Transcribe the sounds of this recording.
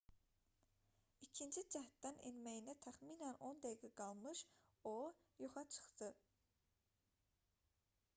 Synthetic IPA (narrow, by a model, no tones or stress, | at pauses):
icʰind͡ʒid͡ʒæht̪d̪ænenmæjinæt̪ʰæxmiːnæno̞nd̪æjiɡæɡɑlˠmɯʃojoχɑt͡ʃʰɯ̥χt̪ɯ